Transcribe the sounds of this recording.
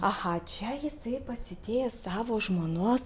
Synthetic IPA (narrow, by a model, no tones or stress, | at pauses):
ɐhɑt͡ʃʲɛjɪsɐɪpɐsʲɪt̪ʲeːjɛsɑːʋoːʒmoːnoːs